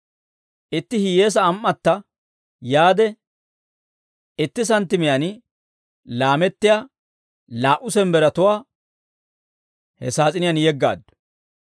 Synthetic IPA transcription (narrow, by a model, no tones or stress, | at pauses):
ʔɪt̪ːɪhɪje̞ːs̬ɐːmʔːɐt̪ːɐ | jaːd̪ɛ | ɪt̪ːɪs̬ɐnt̪ːɪmɪjɐn | laːmɛt̪ːɪjaː | laːʔʊsɛmbɛɾɐt̪ʊwaː | hɛ̰saːt͡sʼɪnɪjanjɛɡːa̰ːd̪ʊ̥